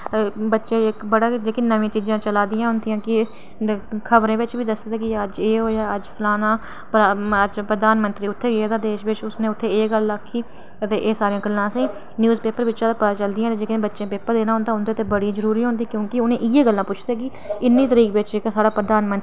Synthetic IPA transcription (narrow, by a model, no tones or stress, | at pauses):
bətːʃẽːɪkbəɽaːd͡ʒeːkɪnəʋẽːt͡ʃiːd͡ʒãːt͡ʃəlaːd̪ɪjãːɦʊnd̪ijãːkɪ | kʰəʋɾẽːʋɪt͡ʃʋiːd̪əsd̪ːd̪aːkɪəd͡ʒeːɦoːaːəd͡ʒpʰlaːnãː | pːəd͡ʒpɾəd̪aːnmənt̪ɾiːʊt̪ʰːeːeːd̪aːd̪eːʃʋɪʃʊsneːʊt̪ʰːeːeːɡələkʰːiː | ət̪eːʔeːsaːɾiãːɡəlːãːsẽː | njuːzpeːpəɾʋɪt͡ʃãːd̪aːpət̪aːt͡ʃəld̪ɪjãːt̪eːd͡ʒeːknẽːbətːʃẽːpeːpəɾd̪eːnaːɦʊnd̪aːʊnd̪aːt̪eːbəɽĩːzəɾuːɾiːɦõnd̪iːkjõːkɪʊnẽːʔɪjeːɡəlːãːpʊt͡ʃʰd̪ɛːkɪ | ɪnːĩːt̪əɾiːkʋɪt͡ʃd͡ʒeːkːsaːɽaːpɾəd̪aːnmənt̪